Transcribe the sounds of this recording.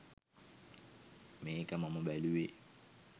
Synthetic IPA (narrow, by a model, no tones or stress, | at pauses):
meikamamʊɓaliwe